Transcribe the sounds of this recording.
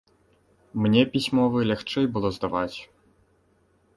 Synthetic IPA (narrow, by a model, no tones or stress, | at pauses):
mnʲɛpʲisʲmɔvɨlʲaxt͡ʂɛjbɨlˠɔzd̪avat͡sʲ